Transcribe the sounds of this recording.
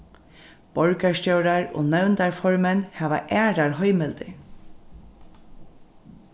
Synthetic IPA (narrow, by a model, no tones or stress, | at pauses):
bɔɹkaɹscœwɾaɹo̰ːnœwnt̪aɹfɔɹmɛnhaːʋa̰ʔæːɾaɹɦœjmɪlt̪ɪ̰